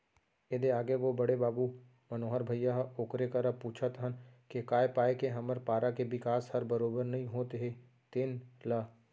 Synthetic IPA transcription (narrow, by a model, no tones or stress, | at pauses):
ed̪eaːɡeʋobɐɽebaːbu | mɐnoːɦəɾbʱɐjːaɦoːkɾekaɾəpuːt͡ʃʰət̪ɦənkekaːepaːekeɦɐməɾpaːɾakeʋɪkaːshɐɾbəɾoːbəɾnɐɦĩɦoːt̪eɦe | t̪ɪnla